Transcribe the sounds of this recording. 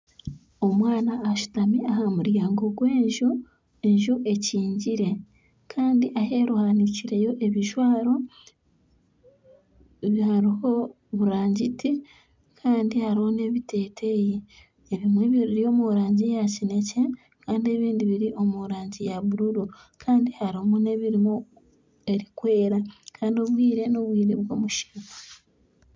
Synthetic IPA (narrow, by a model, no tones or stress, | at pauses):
o̞mwaːnaːʃu̥tamiʔaɦamuɾjaːŋɡo̞ɡwe̞ːɲʒu | eɲʒuʔe̞ciːɲɟiɾe̞ | kʰaːndiʔahe̞ɾuhaniciɾe̞jo̞ʔe̞βiʒwaːɾo̞ | βihaɾiho̞ | βuɾaːɲɟitʰi | kʰaːndihaɾiho̞ne̞βite̞ːtʰeji | eβimwe̞βiɾiɾio̞ːmuɾaːɲɟijacine̞ce̞ | kaːndie̞βiːndiβiɾiʔo̞muɾaːɲɟijaβuɾuɾo | kʰaːndihaɾimune̞βiɾimo | e̞ɾikwe̞ːɾakʰaːndio̞βwiːɾe̞no̞βwiːɾeβɡo̞̰ːmuʃi̥ka